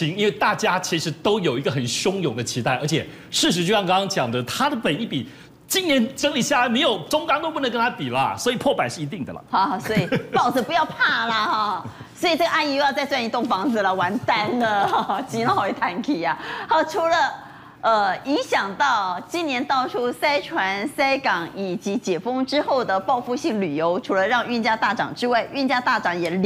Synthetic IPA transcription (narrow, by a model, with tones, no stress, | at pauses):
i˧˥ŋi˥nwe˥˧ɪt̪a˥˩t͡ɕja˥t͡ɕʰi˧˥ʂɻ̩˧˥t̪o˥ʊjo˨˩ʊi˧ɡə˨˩xə˨˩nɕjʊ˥ŋjʊ˨˩˦ŋd̪ə˦t͡ɕʰi˧˥t̪a˥˩ɪʔə˞˧˥t͡ɕʰjɛ˨˩ | ʂɻ̩˥˩ʂ̬ɻ̩˧˥t͡ɕjjŋkɑ˥ŋkɑ˥ŋt͡ɕjɑ˨˩ŋd̪ə˦t̪ʰa˥d̪ə˨pə˨˩ni˥˩pi˨˩ | t͡ɕi˥nnjɛ˧˥nʈ͡ʂə˥ŋli˨˩ɕja˥˩la˧˥ɪme˧˥ɪjo˨˩ʊʈ͡ʂʊ˥ŋkɑ˥ŋt̪o˥pu˥nə˧˥ŋkə˥nt̪ʰa˥p̪i˨˩lə˦ɐ̰˨swɔ˧˥i˨˩pʰwɔ˥˩pa˨˦nʂɻ̩˥˩i˧˥t̪i˥˩ŋd̪ə˩lə̰˩xswɔ˧˥i˨˩pɑ˥˩ʊd͡z̩˧˩pu˧˥jɑ˥˧ʊpʰa˥˩lə˨ha˥˩ | swɔ˧˥i˨˩ʈ͡ʂɤ˥˩ɡə˧ʔa˥˧ni˥˧o˥˧jt͡sa˥˧wa˥˧ni˧t̪ʊ˥˩ŋfɑ˧˥ŋd͡zɹ̩˨lə˨˩wa˧˥nt̪a˥nd̪ə˨˩t͡ɕi˧˥no˥xʊi˥˩t̪ʰa˧˥nkʰi˨˩a˨˩a˧˥ʈ͡ʂʰu˧˥lə˧ | ə˧i˧˥ŋɕjɑ˨˩ŋt̪ɑ˥˩ʊt͡ɕi˥njɛ˧˥nt̪ɑ˥˩ʊʈ͡ʂʰu˥sa˥ɪʈ͡ʂʰwa˧˥nsa˥ɪkɑ˨˩ŋi˨˩t͡ɕi˧˥t͡ɕjɛ˨˩fɤ˥ŋʈ͡ʂɻ̩˥xo˥˩ʊd̪ə˩pɑ˥˧ʊfu˥˧ɕi˥˩ŋly˨˩jo˧˥ʊʈ͡ʂʰu˧˥lə˧ɻɑ˥˧ŋy˥˧nt͡ɕja˥t̪a˥˩ʈ͡ʂɑ̰˨˩ŋʈ͡ʂɻ̩˥wa˥˩ɪy˥˩nt͡ɕja˥t̪a˥˩ʈ͡ʂɑ˨˩ŋjɛ˨˩l